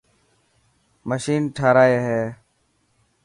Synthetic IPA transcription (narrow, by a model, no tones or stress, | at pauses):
məʃiːnʈʰaːɾaːeːɦeː